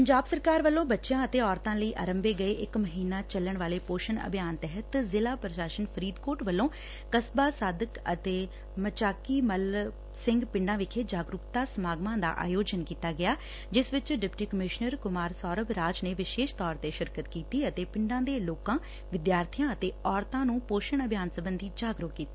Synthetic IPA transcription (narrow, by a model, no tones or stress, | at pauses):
pəɲd͡ʒaːbsəɾkaːɾʋəlːõːbətːʃjãːət̪eːɔːɾt̪ãːləiːʔa̰ːɾəmbeːɡəeːʔɪkməɦiːnaːt͡ʃəlːəɳʋaːleːpoːʃənə̰bʱjaːnt̪ɛɦət̪zɪlaːpɾəʃaːʃənpʰəɾiːd̪koːʈʋəlːõː | kəsbaːsaːd̪əkət̪eː | mət͡ʃaːkiːməl | sɪ̃ŋɡpɪ̃ɳɖãːʋɪkʰeːd͡ʒaːɡɾʊkt̪aːsəmaːɡmãːd̪a̰ːʔa̰ːjoːd͡ʒənkiːt̪aːɡɪjaː | d͡ʒɪsʋɪt͡ʃɖɪpʈiːkəmɪʃnəɾkʊmaːɾsɔːɾəbɾaːd͡ʒneːʋɪʃeːʃt̪ɔːɾt̪eːʃɪɾkət̪kiːt̪iːət̪eːpɪɳɖãːd̪eːloːkãː | ʋɪd̪jaːɾt̪ʰijãːət̪eːɔːɾt̪ãːnũːpoːʃəɳəbʱjaːnsəbənd̪iːd͡ʒaːɡɾʊɦkːiːt̪iː